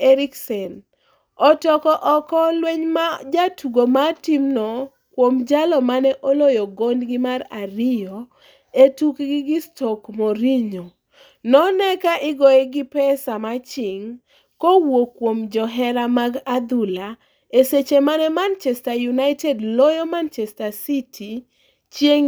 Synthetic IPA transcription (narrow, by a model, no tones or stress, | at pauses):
eɾiksɛn | ɔtɔkɔʔɔkɔlweɲmad͡ʒatuɡomatimnɔ | kwomd͡ʒalɔmanɛʔolojɔɡondɡɪmaɾa̰ɾɪjo | etukɡɪɡɪstɔkmoɾiɲo | nɔnɛkaʔɪɡɔjeɡɪpɛsamat͡ʃɪŋ | kowokːwomd͡ʒɔɦɛɾamaɡad̪ula | eset͡ʃemanɛmant͡ʃɛstajunaɪtɛdlɔjɔmant͡ʃɛstasitʰi | t͡ʃjeŋ